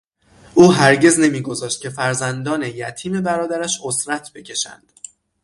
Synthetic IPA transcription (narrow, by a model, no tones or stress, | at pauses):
ʔuːɦæɾɟe̞zne̞miːɡo̞zɒːʃt̪̚cʲʰe̞fæɾzænd̪ɒːne̞jæt̪ʰiːme̞bæɾɒːd̪æɾæʃosɾæt̪ʰbe̞cʰe̞ʃæ̰nd̪̥